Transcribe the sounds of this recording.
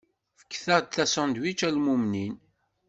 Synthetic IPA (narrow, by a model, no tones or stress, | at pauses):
fə̥kːθəʁd̪̚θæsɑ̃nd̪wit͡ʃːælmumnin